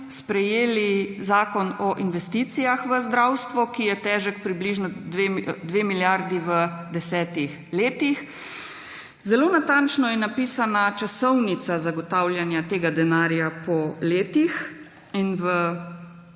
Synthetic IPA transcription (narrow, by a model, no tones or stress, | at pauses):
spɾɛjeːlizaːkɔnɔʔinʋɛst̪it̪sijaxʋəzd̪ɾawst̪ʋɔkijɛt̪ɛːʒəkpɾibliʒnɔd̪ʋed̪ʋeːmiljaɾd̪iʋəd̪ɛsɛːt̪ix | leːt̪ix | zɛloːnat̪ant͡ʃnɔjɛnapiːsanat͡ʃasɔwnit̪sazaɡɔt̪awlʲjanjat̪eːɡad̪ɛnaːɾjapɔleːt̪ix | inʋə